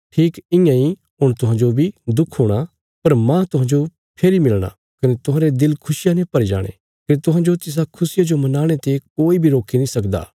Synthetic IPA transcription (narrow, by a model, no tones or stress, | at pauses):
ʈʰiːkɪ̃jãi | ʊɽ̃t̪ʊɦãːd͡ʒobʱid̪ʊkʰɦoːɽ̃a | pɐɾmãt̪ʊɦãːd͡ʒo | pʰeːɾimɪlɽ̃a̰ | kɐnet̪ʊɦãːɾed̪ɪlkʰʊsɪjanẽpɐɾid͡ʒa̰ːɽ̃ḛ̃ | kɐnet̪ʊɦãːd͡ʒot̪ɪs̬akʰʊsɪjad͡ʒomɐnaːɽ̃et̪ekoːibʱiɾoːkʰinĩsɐkd̪a̰ː